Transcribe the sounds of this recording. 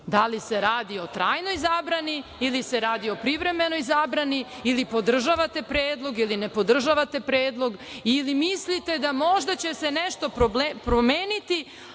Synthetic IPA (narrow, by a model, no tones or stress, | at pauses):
d̪alise̞ɾaːd̪io̞t̪ɾaːjno̞jzaːbɾaniilise̞ɾaːd̪io̞pɾiʋɾe̞me̞no̞jzabɾani | ilipo̞d̪r̩ʒaʋat̪e̞pɾeːd̪lˠo̞ɡiline̞po̞d̪r̩ʒaʋat̪e̞pɾeːd̪lˠo̞ɡilimislit̪e̞d̪amo̞ʒd̪at͡ɕe̞seneʃt̪o̞pɾoblepɾomeːnit̪i